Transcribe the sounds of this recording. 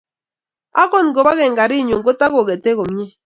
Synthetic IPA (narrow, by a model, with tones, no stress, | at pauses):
a˦kɔ˦˨nɡo˨ba˦ɣɛ˨ŋɡa˨ɾi˦˨ɲo˨ŋɡo˦ta˦ɣo˨ɡe˨te˦ko˨m˦ɲe˦